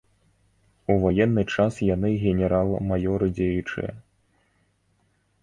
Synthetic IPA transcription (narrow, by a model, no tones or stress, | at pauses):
uvajɛnːɨt͡ʂasjanɨɣʲɛnʲɛɾalˠmajɔɾɨd͡zʲejut͡ʂɨ̰jɛ̰